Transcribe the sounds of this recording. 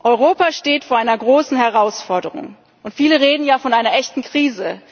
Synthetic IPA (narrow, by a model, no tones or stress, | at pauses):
ʔɔʏʁoːpaʃteːtfoːɐʔaɪnɐɡʁoːsn̩hɛʁaʊsfɔɐdəʁʊ̰ŋ | ʔʊntfiːləʁeːdn̩jaːfɔnʔaɪnɐʔɛçtn̩kʁ̥iːzə